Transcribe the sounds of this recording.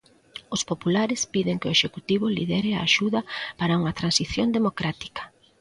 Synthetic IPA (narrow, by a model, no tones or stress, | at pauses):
ʊspopulaɾɪspiðɪŋkeo̰eʃekut̪iβʊlḭðɛɾɪa̰ːʃuðɐpaɾɐuŋɐt̪ɾansiθjond̪emokɾat̪i̥kɐ̥